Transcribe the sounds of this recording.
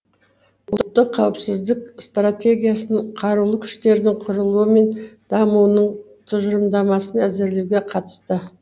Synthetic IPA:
ʊt̪ːəqʰːɑwəpsɪzd̪ɪkst̪rat̪ʲe̞ɡʲijasənəɴqʰɑɾuwlˠəkʲʰʏ̥ʃt̪e̞ɾd̪ɪɴqʰʊɾəlˠuəme̞nd̪̥ɑmunəɴ | t̪ʰʊʒəɾəmd̪ɑmɑsənæzɪɾle̞wɡʲe̞qʰɑt̪ə̥st̪ə

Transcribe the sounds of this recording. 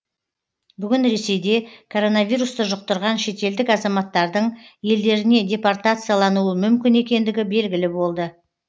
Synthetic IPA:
bʏɡʲɪnɾe̞se̞jd̪e̞kʰo̞ɾo̞navʲijɾust̪əʒʊq̚t̪əɾʁɑnʃe̞t̪e̞ld̪ɪkɑzɑmɑt̪ːɑɾd̪əɴje̞ld̪e̞ɾɪne̞dʲe̞part̪at̪sɨjalˠɑnuəmʏmkʲɪne̞kʲe̞nd̪ɪɡʲɪbe̞lɡʲɪlɪbo̞lˠd̪ə

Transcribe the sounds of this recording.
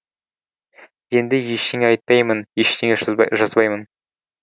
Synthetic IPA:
je̞nd̪ɪjeʃt̪eŋʲɑjt̪̚ːɑjmənjeʃt̪eŋʲeʒʒɑzbɑjmən

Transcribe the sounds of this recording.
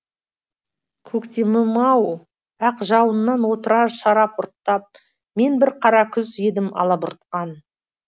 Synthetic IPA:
kʲʰɵkt̪ʲemɪmɑw | æqʒɑwənːɑnwo̞t̪əɾɑɾʃɑɾɑpʊɾt̪ːɑp̚ | me̞nbɪɾqʰɑɾɑkʲʰʏze̞d̪ɪmʔɑ̰lˠɑbʊɾt̪̚qɑn

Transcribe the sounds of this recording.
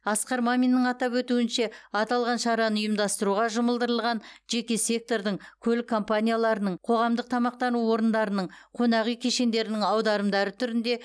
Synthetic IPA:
ɑsqɑɾmamʲinːəɴɑt̪ɑpwɵt̪uɪnʃe̞ɑt̪ɑlˠʁɑnʃɑɾɑnəʊjəmd̪ɑst̪əɾuʁɑʒəməlˠd̪əɾəlˠʁɑnʒe̞kʲe̞sʲe̞k̚t̪o̞ɾd̪əɴkʲʰɵlɪkʰːo̞mpanʲijalˠɑɾənəɴqʰo̞ʁɑmd̪əq̚t̪ʰɑmɑq̚t̪ɑnuwo̞ɾənd̪ɑɾənəɴqʰo̞nɑʁijkʲʰe̞ʃe̞nd̪e̞ɾɪnɪŋɑwd̪ɑɾəmd̪ɑɾət̪ʰʏɾɪnd̪e̞

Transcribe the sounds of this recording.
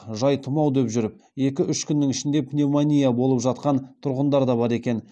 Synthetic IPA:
ʒɑjt̪ʰʊmɑwd̪e̞pʒʏɾɪp̚ | je̞kʲɪʔʏʃkʲʰʏnːɪŋɪʃɪnd̪e̞pnʲemanʲijabo̞lˠəpʒɑt̪qɑnt̪ʰʊɾʁənd̪ɑɾd̪ɑbɑɾe̞kʲe̞n

